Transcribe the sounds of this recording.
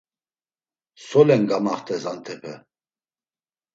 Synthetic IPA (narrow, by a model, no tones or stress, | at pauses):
sɔlɛnɡamaχt̪ʰʼɛsant̪ʰɛpʰɛ